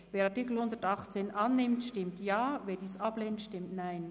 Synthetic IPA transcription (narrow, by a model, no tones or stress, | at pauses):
veːɾɑʁtikl̩hʊndətɑχt͡seːnʔɑnːɪmtʃtɪmtjaːveːdiːsɑbleːntʃtɪmtnaɪn